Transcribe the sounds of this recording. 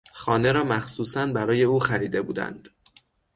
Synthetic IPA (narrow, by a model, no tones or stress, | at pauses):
xɒːne̞ɾɒːmæxsuːsænbæɾɒːje̞uːxæɾiːd̪e̞bṵːd̪æ̰nd̪̥